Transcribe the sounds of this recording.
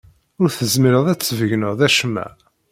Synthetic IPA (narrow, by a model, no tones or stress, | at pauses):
ʊɾθəzmiɾəðˤæt͡sːvəʝnəʁðæʃmːæ̰